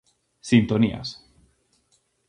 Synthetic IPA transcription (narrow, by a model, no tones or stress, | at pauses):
sint̪onia̰s